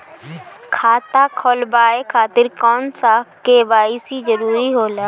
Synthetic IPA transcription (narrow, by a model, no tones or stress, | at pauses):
kʰaːt̪akʰɔːlbaːekʰaːt̪ɪɾkɔːnsakeʋaːɪsid͡ʒəɾuːɾiɦoːlaː